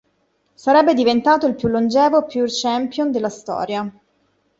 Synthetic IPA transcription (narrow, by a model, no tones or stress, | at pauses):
saɾɛbːed̪ivent̪aːt̪oilpjulːond͡ʒɛːvopjurt͡ʃɛmpjond̪elːast̪ɔ̰ːɾja